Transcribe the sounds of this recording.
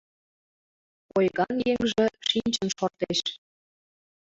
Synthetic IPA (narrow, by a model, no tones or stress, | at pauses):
ojɣɑnjeŋʒĕʃinʲt͡ɕə̆nʃort̪eʃ